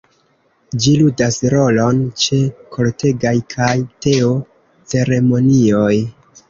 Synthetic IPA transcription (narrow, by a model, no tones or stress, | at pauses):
d͡ʒiludasɾo̞lo̞nt͡ʃe̞kʰo̞lte̞ɡajkʰajte̞o̞ | t͡se̞ɾe̞mo̞nio̞j